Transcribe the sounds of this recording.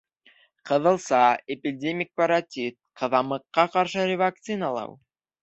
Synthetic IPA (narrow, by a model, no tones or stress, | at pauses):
qɤ̆ðɤ̆lˠsɑepʲidʲemʲik̚paɾat̪ʲit̪̚qʰɤ̆ðɑmɤ̆qːɑqɑɾʃɤɾʲɪvak̚t̪sɨnɑlˠɑ̰w